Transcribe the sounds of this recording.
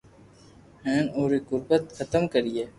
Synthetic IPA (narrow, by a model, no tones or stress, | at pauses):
hɛ̃ːnoːɾikʊɾbət̪xət̪əmkəɾieː